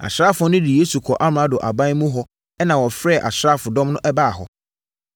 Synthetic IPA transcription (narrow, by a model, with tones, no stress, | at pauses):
a̰˨ɕɾaː˦fʊ˨ɔ˦nʊ̃˦di˨jeː˦su˨kʰɔ˨ʔa˦m˨ã˦dʊ˨ʔa˨bã˦mũ˦ɦɔ˨˦ | ɛ˦nã˨wɔ˨fɾɛ˦˨ʔa̰˨ɕɾa˦fʊ˨dɔ̃˦mnʊ̃˦ʔɛ˦baː˦˨ɦɔ̰˨